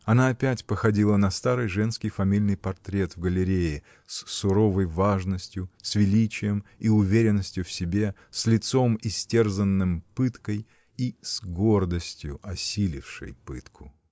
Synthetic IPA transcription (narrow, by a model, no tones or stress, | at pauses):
ɐnaːpʲætʲpəxɐdʲilˠənɐst̪aɾɨjʐɛnskʲɪjfɐmʲilʲnɨjpɐrt̪ɾʲe̞t̪vɡəlʲɪɾʲejɪ | sːʊɾo̞vəjvaʐnəsʲtʲjʊsvʲɪlʲit͡ɕɪjəmiʊvʲeɾʲɪnːəsʲtʲjʊfsʲɪbʲe̞ | sʲlʲɪt̪so̞mɪsʲtʲe̞rzənːɨmpɨt̪kəj | isɡord̪əsʲtʲjʊʔɐsʲilʲɪ̰fʂɨ̰jpɨ̰t̪kʰʊ̥